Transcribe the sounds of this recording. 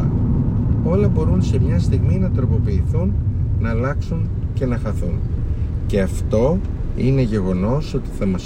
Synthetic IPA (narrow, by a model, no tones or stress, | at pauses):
ɐ | o̞lɐbo̞ɾunse̞mɲɐst̪iɣminɐt̪ɾo̞po̞piːθunːɐːlɐksunce̞nɐxɐθunce̞ɐft̪o̞ine̞ʝe̞ɣo̞no̞so̞t̪i̥θɐmɐs